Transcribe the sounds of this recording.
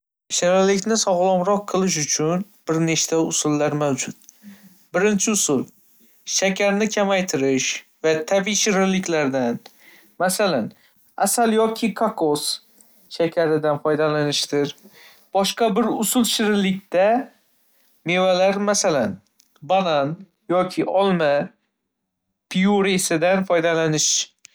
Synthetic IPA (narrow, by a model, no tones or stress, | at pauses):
ʃɪɾalɪkʲnɪsɒʁlˠɒmɾɒqʰːɨlˠɪʃ̬ʊt͡ʃʰʊnb̥ɪɾneʃt̪aʊsʊlːaɾmawd͡ʒʊt̪̚ | bɪɾɪnt͡ʃʰɪʊsʊl | ʃakʰʲaɾnɪkʲʰamajt̪ʰɪɾɪʃvat̪ʰabiʃɪɾɪlɪkʲlaɾd̪an | masalan | asaljɒkʲʰɪkʰakʰos | ʃakʲʰaɾɪd̪anfɒjd̪alanɪʃt̪ɪɾ | b̥ɒʃqɑbɪɾʊsʊlˠʃɪɾɪlːɪkʲt̪a | me̞valaɾmasalan | banan | jɒkʲʰɪʔɒlˠma | pʰijuɾesɪd̪anfɒjd̪alanɪʃ